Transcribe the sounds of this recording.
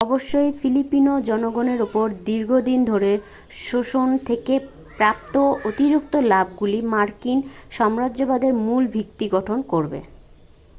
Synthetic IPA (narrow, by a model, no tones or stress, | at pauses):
ɔboʃːojfilipinod͡ʑɔnoɡoneɾupoɾd̪iɾɡʱod̪ind̪ʱoɾe | ʃoʃont̪ʰeke | pɾap̚t̪oot̪iɾuk̚t̪olab̚ɡulimaɾkinʃɔmɾadʑobad̪eɾmulbʱikt̪iɡɔʈʰonkoɾbḛ